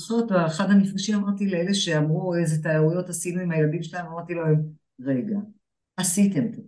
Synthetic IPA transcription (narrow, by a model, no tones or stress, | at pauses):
sot̪aeχad̪hanifɡaʃimamaʁt̪ileele̞ʃe̞amʁuezet̪aaujo̞tasinuimhajeladimʃelaemamaʁt̪ilo | ʁe̞ɡa | asit̪emto